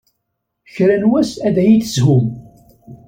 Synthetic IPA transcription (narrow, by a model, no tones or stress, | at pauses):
çɾænwæsæðæjiθəzɦʊm